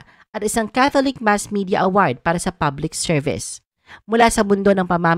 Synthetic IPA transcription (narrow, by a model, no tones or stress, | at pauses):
ʔɐt̪̚ʔɪsaŋkaθolɪk̚masmid̪ɪɐʔɐwaɹd̪̚paːɾɐsɐpablɪk̚sɛɹvɪ̰s | mʊlasɐmʊnd̪o̞nɐŋpɐma